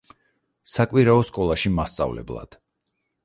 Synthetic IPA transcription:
sakʼwiɾaɔskʼɔlˠaʃimast̪sʼa̰vlɛ̰blˠa̰d̪̥

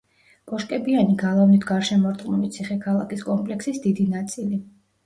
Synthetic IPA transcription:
pʼɔʃkʼɛbianiɡalˠavnit̪ʰɡaɾʃɛmɔɾt̪ʼχʼmɔmit̪sʰiχɛkʰalˠakʰiskʼɔmpʼlɛksisd̪id̪inat̪sʼili

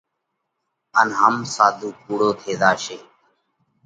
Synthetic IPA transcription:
ənɦəmsaːd̪ʱuːkuːɽoːt̪ʰeːd̪aːʃeː

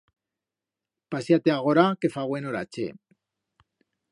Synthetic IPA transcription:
pasjat̪eaɣ̞oɾake̞faɣwenoɾa̰t͡ʃḛ

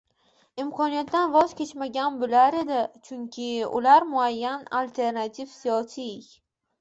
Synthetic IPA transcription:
ɪmkʰɒnijat̪d̪anvɒz̥kʲʰe̞t͡ʃmaɡʲanbʊlaɾe̞d̪ɪt͡ʃʰʊŋkʲʰɪʊ̰laɾmʊajːanalʲt̪ʰe̞ɾnat̪ʰifsijɒsi

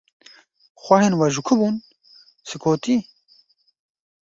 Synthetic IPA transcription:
xʷɐhenwɐʒukʰubun | sɨkʰoːt̪iː

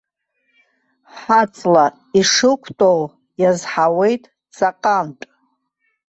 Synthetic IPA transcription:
ħat͡sʼla | iʂɨkʷʰtʼow | jazħawe̞jtʼ | t͡sʼaqʼamtʼ

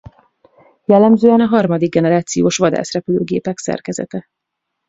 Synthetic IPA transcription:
vɒlɒmzoːɒnɒɦɒrmɒd̪iɡ̚ːɛnɛɾaːt̪sijoːʃʋɒd̪a̰ːsrɛpyløːɡeːpɛksɛ̰rkɛzɛ̰t̪ɛ

